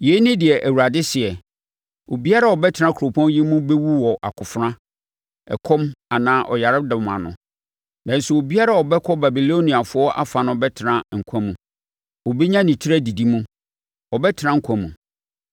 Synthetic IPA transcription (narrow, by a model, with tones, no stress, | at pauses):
je˨˦nɪ̃˦dɪ˨ɛ˨ʔæ˨wu˨ɾa˨dɪ˦sɪ˨ɛ˨ | o˨bi˦a˦ɾa˨ɔ˨bɛ˦tʰɪ˦ɾã˦kʰu˨ɾo˨pʰɔ̃˦n˦ji˦mũ˦be˦wu˦wɔ˨ʔa̰˨kʰʊ˨fɾã˦ | ɛ̰˨kʰɔ̃˦ma˨nãː˨˦ʔɔ̰˨ja˨ɾɪ˦da˨mã̰˨nʊ̰̃˨ | nã˨n̩˦sʊ˦˨o˨bi˦a˦ɾa˦ɔ˨bɛ˦kʰɔ˦ba˨bi˨lo˦nĩ˨a˨fʊ˦ɔ˦ʔa̰˦fa˨nʊ̃˦ɔ˨bɛ˦tʰɪ˨ɾã˦ŋ̩˨kʷʰã˦mũ˨ | wɔ˨be˦ɲã˦nĩ˨tʰi˦ɾæ˦di˨di˦mũ˦ | ɔ˨bɛ˦tʰɪ˨nã˦ŋ̩˦kʷʰã˨mũ˨